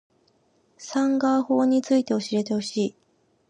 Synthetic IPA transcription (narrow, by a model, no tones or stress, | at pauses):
sãŋɡaho̞ːɲ̟it͡sɨit̪e̞oɕiɾe̞t̪e̞ho̞ɕiː